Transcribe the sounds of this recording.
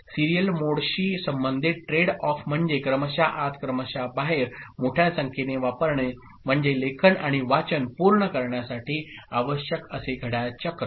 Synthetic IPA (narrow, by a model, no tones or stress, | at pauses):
siɾijəlmoɽɕiːsəmbənd̪ʱit̪̚ʈɾeɽɔfm̤əɳd͡ʑekɾəməɕaʔat̪kɾəməɕabaɦeɾmoʈʰjasəŋkʰeneʋapəɾɳe | m̤əɳd͡ʑelekʰənaɽ̃iʋat͡ɕənpuɾɳəkəɾɳjasaʈʰiːaʋəɕjəkəseɡʱəɽat͡ɕəkə